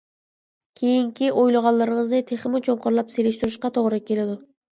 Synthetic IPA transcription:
kʲʰejiŋkʲiʔojlˠɑʁɑlˠlːˠɨɾɪŋɨznɨt̪ʰeχɪmut͡ʃʰoɴqʰoɾlˠɑpselɪʃt̪uɾɪʃqɑt̪ʰoʁɾɨkʲelɪd̪ʊ

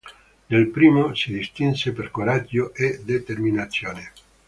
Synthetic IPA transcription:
nelpɾiːmosid̪ist̪inseperkoɾad͡ʒːoʔed̪et̪erminat̪sːjoːne

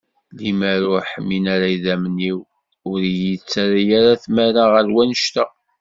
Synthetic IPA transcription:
limæɾʊɾħəmːinaɾaiðæməniw | ʊɾjit͡sːaɾijaɾaθmæɾaʁəɾwænəʃt̪æ

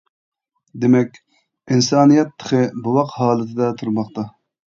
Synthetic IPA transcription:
d̪emɛkʲ | insɑːnijɛt̪ʰːə̥χəbɨwɑqhɑːlɨt̪ʰɪd̪ɛt̪ʰuɾmɑqt̪ɑ

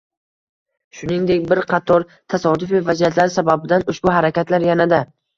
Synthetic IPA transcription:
ʃʊnɪŋd̪e̞kʲbɪɾqʰɑt̪ʰɒɾ | t̪ʰasɒd̪ʊfɪvazjat̪laɾɪsababɪd̪anʊʃbʊɦaɾakʲat̪ʰlaɾjanad̪a

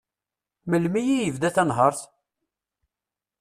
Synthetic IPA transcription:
məlmijijəvd̪æθænɦəɾˤθ

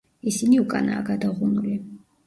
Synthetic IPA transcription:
isiniukʼa̰naːɡad̪aʁunuli

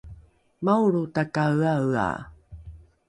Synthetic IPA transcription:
mawɾutakawawa̰

